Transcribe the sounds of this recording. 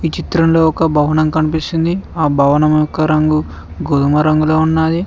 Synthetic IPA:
iːt͡ʃit̪ɾɐmlo̞ːɔkɐbʱɐʋɐnɐmkɐnipist̪ind̪iaːbʱɐʋɐnɐmɐjɔkɐɾɐŋɡu | ɡod̪umɐɾɐŋɡulo̞ːunːaːd̪i

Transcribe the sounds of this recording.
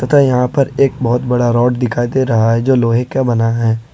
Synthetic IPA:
t̪ɐt̪ʰajɐɦãpɐɾeːk̚bɔɦʊt̪bɐɽaɾɔːʈd̪ɪkʰaːid̪eːɾɐɦaɦɛd͡ʒoːloːɦekːabɐnaɦɛː

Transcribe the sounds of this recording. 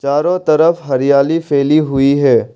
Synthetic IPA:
t͡ʃaːɾõt̪ɐɾəfɦɐɾijaːlifeːliɦʊiɦɛː

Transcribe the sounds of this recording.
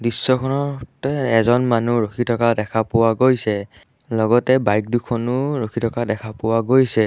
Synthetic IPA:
disːɔkʰɔnɔtɛɛzɔnmanuɹokʰitʰɔkadɛkʰapʊwaɡojsɛ | lɔɡɔtɛbajk̚dukʰɔnʊɹokʰitʰɔkadɛkʰapʊwaɡojsɛ

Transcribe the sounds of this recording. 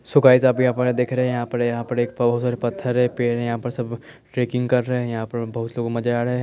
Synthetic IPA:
sʊkaːɪzaːpijɦãpɐɾd̪eːkʰɾɐɦɛ̃jɐɦãpɐɾjɐɦãpɐɾeːkpbɐɦʊt̪saːɾepɐt̪ʰːəɾɦɛpeːɾɦɛ̃jɐɦãpɐɾsɐb | ʈɾeːkɪ̃ŋɡkɐɾːɐɦeɛ̃jɐɦãpɐɾbɐɦʊt̪loːɡmɐd͡ʒaɾɐɦeɦ

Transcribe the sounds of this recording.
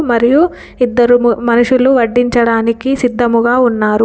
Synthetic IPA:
mɐɾiju | id̪ːɐɾumɐnuʂuluʋɐɖːiɲt͡ʃɐɽaːnikisid̪ːɐmuɡaːunːaːɾu

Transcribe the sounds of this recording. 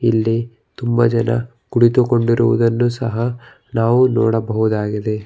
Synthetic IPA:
ilːi | t̪umbɐd͡ʒɐnɐ̰ | kuɽit̪uko̞ɳɖiɾuʋṵd̪ɐnːusɐɦɐ | naːʋunɔ̰ːɽɐbɐɦud̪aːɡid̪e̞

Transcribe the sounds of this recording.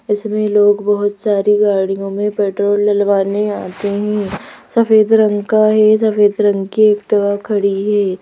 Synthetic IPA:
ɪsmẽloːɡbɐɦʊt̪saːɾiɡaːɽ̃ijõmẽpeːʈɾoːlːɐlʋaːneaːt̪eɦɛ̃ːsɐfeːd̪ɾɐ̃ŋɡkaɦɛsɐfeːd̪ɾɐ̃ŋɡkieːkʈɐʋakʰɐɽiɦɛː

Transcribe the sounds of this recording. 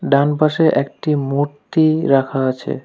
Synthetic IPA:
ɖanpaʃeʔɛk̚ʈimuɾt̪iɾakʰaat͡ɕʰḛ

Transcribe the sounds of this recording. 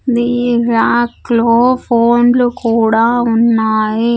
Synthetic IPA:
d̪iːɾaːkloːpʰoːnlukuːɽaːunːaːji

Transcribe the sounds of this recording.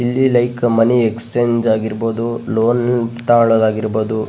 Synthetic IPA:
ilːilɐjkmɐniekst͡ʃeːɲd͡ʒaːɡiɾboːd̪uloːnt̪aːɭɐd̪aːɡiɾboːd̪u

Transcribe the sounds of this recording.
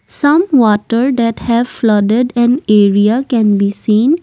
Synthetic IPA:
sʌ̃mʋɔːʈəɾd̪ɛʈhɛʋflʌɖeɖɛ̃neːɾiakɛ̃nbiːsĩːn

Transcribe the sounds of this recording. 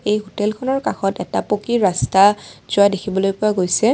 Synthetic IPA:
ejɦotelkʰɔnɔɹkaxɔtɛtapokiɹastaz̥ʊajdekʰibɔlojpʊaɡojsɛ

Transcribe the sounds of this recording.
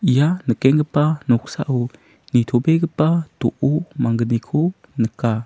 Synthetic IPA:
ijanəkɛŋɡəpanɔk̚sa̰ʔu | nitʰobeɡəpato̰ʔumaŋɡənikʰu | nəka

